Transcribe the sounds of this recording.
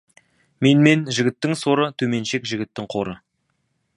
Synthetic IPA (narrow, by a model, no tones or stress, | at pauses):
me̞nme̞nʒɪɡʲɪt̪ːɪŋso̞ɾət̪ʰɵme̞nʃe̞kʒɪɡʲɪt̪ːɪŋqʰo̞ɾə